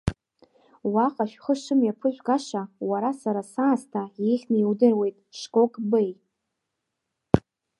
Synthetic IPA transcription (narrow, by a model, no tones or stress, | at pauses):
waqʼaʃᶣχəʂɨmjapʰɨʒʷᶣɡaʂawaɾasaɾasaːstʰajejχʲnaiwdɨrwe̞jtʼʂkʼokʼbej